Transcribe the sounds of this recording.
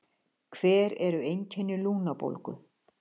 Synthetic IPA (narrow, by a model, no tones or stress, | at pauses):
kʰv̥ɛːɾɛɾʏejɲcʰɛnːɪluːnapo̰lkʏ̰